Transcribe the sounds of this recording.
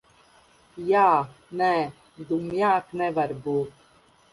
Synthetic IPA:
jaːnɛ | d̪umjaːknɛʋɐɾbu

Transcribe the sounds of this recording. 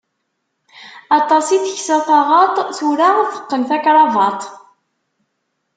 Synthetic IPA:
ɑt̪ˤɑsiθəçsæθɑʁɑt̪ˤθuɾaθə̥qːənθækɾˤɑvɑt̪ˤ

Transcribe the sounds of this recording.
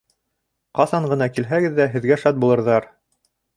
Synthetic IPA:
qɑθɑɴɢɤ̆nɑkilɦæɡɘðːæɦɘ̆ðɡæʃɑt̪̚bulˠɤ̆ɾðɑɾ

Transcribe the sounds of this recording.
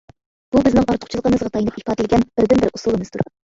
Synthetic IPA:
b̥ubɪznɪŋɑɾt̪ʰʊ̥χt͡ʃʰlˠəqəmɨzʁɑt̪ʰɑjnɨpipʰɑːd̪ɪlɪɡʲɛnb̥ɪɾd̪ɪnbɪɾʔusulˠəmɨz̥t̪ʰuɾ

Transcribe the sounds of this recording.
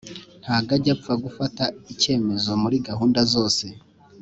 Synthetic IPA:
nn̥haːɡaɟafaɡufataice̞ːme̞zo̞muɾiɡaɦuːndazo̞ːse̞

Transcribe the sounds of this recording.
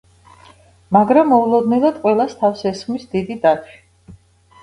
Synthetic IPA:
maɡɾamːɔulˠɔd̪nɛlad̪̥qʼwɛlˠast̪ʰafsɛsχmisd̪id̪id̪at͡ʃʰi̥

